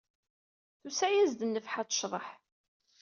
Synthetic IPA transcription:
θusæjæzd̪ənːəfħat̪ˤə̥ʃðˤəħ

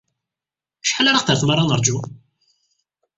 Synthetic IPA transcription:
ʃħalaɾaqθəɾθmaɾˤːɑnəɾˤd͡ʒu

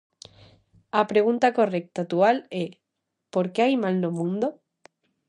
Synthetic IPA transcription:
apɾeɣ̞unt̪ako̞rek̚t̪at̪uale | poɾkeajmalnomũnd̪o

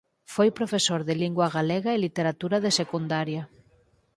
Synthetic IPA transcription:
fojpɾofesoɾðeliŋɡwɐɣaleɣaelit̪eɾat̪uɾaðesekund̪aɾja

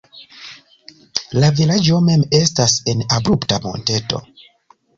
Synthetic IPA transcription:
lavilad͡ʒo̞me̞me̞stase̞nabɾuptamo̰nte̞to̞̰

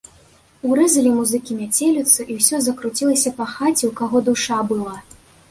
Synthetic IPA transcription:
uɾɛzɐlʲimuzɨkʲimʲat͡sʲelʲut̪sɐʔiwsʲɔzɐkɾut͡sʲilˠɐsʲɐpɐxat͡sʲiwkaɣɔd̪uʂabɨlˠa

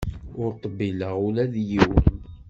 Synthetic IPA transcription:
ʊɾt̪ˤːəbːiləʁʊlæðjiwə̰n

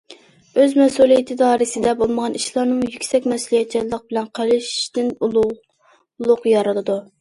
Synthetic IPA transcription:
øzmɛsulˠijɛt̪ʰɪd̪ɑːɾɨsɪd̪ɛbolˠməʁɑniʃlˠɑɾnɨmjykʲsɛkʲmɛsulˠijɛt̪̚t͡ʃʰit̪lˠəq̚bɪlɛnqʰɑlɪʃd̪ɪn | lˠʊqjɑɾɨlɨd̪u

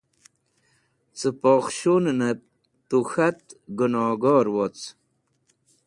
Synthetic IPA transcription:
t͡səpoːχɕunnɐ | t̪uxɐt̪̚ɡunoːɡɔːɾwot͡s

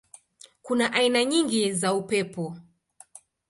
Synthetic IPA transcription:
kunaʔainaɲiŋɡizaupɛpɔ

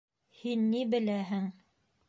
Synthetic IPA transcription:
hinːibɘ̆læɦɘŋ

